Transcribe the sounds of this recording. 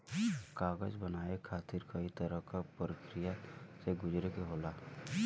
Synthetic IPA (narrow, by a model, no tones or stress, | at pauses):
kaːɡəd͡ʒbənaːekʰaːt̪ɪɾkɐit̪əɾəɦkapɾəkɾijaseɡʊd͡ʒɾekeɦoːla